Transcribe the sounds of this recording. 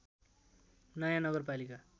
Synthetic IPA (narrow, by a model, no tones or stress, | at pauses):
nʌjanʌɡʌrp̬alika